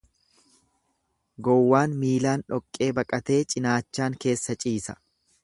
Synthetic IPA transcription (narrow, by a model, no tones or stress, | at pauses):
ɡɔwːaːnmiːlaːnᶑɔkʼːe̞ːbɐkʼɐt̪e̞ːt͡ʃʼɪnaːt͡ʃːaːŋke̞ːsːɐt͡ʃʼiːsɐ̥